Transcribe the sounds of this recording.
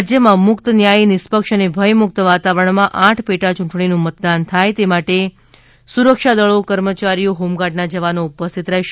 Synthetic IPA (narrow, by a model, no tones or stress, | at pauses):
d͡ʒjəmãmʊkt̪ənjainɪspəkʃənebʱəjmʊk̚t̪əʋat̪aʋəɾəɳmãʔãʈʰpeʈat͡ʃũɳʈɳinũmət̪d̪ant̪ʰajt̪emaʈe | suɾəkʃad̪əɭokəɾmət͡ʃaɾijoɦumɡaʈnad͡ʒəʋanoupəst̪ʰit̪ɾəɦeʃ